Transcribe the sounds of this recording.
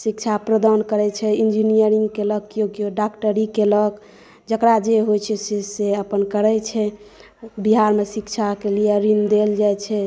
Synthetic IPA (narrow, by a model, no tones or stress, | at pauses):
sikt͡ʃʰapɾəd̪ankəɾɛt͡ʃʰɛind͡ʒinijəɾiŋɡkeləkːjoɡjoɖakʈəɾikelək | d͡ʒəkɾad͡ʒeɦojt͡ʃʰɛseseəpənkəɾɛt͡ʃʰɛ | biɦaɾmesikt͡ʃʰakelijeɾind̪eld͡ʒajt͡ʃʰɛ